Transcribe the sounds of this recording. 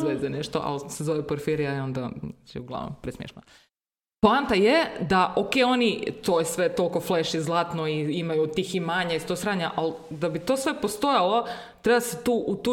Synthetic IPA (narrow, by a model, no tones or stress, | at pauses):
ʋezeneʃt̪o̰ʔa̰lsezoʋɛpoɾfiɾijaio̞nd̪a̰at͡ʃiɛ̰uɡlˠa̰ʋno̰mpɾesmjḛʃt̪na̰ | poant̪ajed̪aʔokeo̞nit̪ojesʋet̪o̞lˠko̞fleʃizlˠaːt̪noiimajut̪iximaɲaist̪osɾaːɲaʔald̪abit̪osʋe̞post̪o̞jalˠo̞ | t̪ɾebaaset̪uːʔut̪u